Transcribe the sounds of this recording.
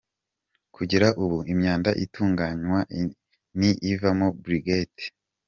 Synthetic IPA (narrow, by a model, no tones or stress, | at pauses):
kʰuɟiɾaʔuβuimɲaːndaʔitʰuːŋɡaɲwa | niʔivamobɾiɡet